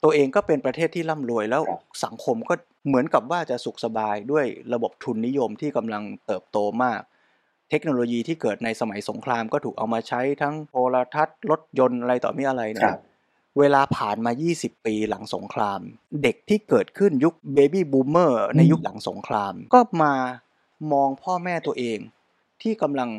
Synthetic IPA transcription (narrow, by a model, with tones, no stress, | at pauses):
t̪u˧ɐʔeː˧ŋkɔː˥˩pe˧npɾa˧t̪ʰeː˥˩t̪ʰːiː˥˩la˥˩mɾu˧əjlɛː˦˥wsa˩˦ŋkʰo˧mkɔː˥˩ | mɯ˨˩˦ənka˨˩p̚waː˥˩t͡ɕa˨˩ʔsu˨˩k̚sa˧baː˧jdu˥˩əjɾa˧bo˨˩p̚t̪ʰu˧nːi˦˥jo˧mt̪ʰiː˥˩ka˧mla˧ŋt̪ɤː˨˩p̚t̪oː˧maː˥˩k̚ | t̪ʰe˦˥k̚noː˧loː˧jiː˧t̪ʰiː˥˩kɤː˨˩t̪̚na˧jsa˧ma˩˦jso˩˦ŋkʰɾaː˧mkɔː˥˩t̪ʰuː˨˩kʔa˧wmaː˧t͡ɕʰa˦˥jt̪ʰa˦˥ŋpʰoː˧ɾa˧t̪ʰa˦˥t̪̚lo˦˥t̪̚jo˧nʔa˧ɾa˧jt̪ɔ̰ː˨˩mi˦˥ʔa˧ɾa˧jna˥ | weː˧laː˧pʰaː˨˩nmaː˧jiː˥˩si˨˩pːiː˧la˩˦ŋso̰˩˦ŋkʰɾaː˧m | de˨˩k̚t̪ʰiː˥˩kɤː˨˩t̪̚kʰɯ˥˩nju˦˥k̚beː˧biː˥˩buː˧mːɤː˥˩na˧ju˦˥k̚la˩˦ŋso̰˨˩˦ŋkʰɾaː˧mkɔː˥˩maː˧ | mɔː˧ŋpʰɔː˥˩mɛː˥˩t̪u˧əʔeː˧ŋ | t̪ʰiː˥˩ka˧mla˧ŋ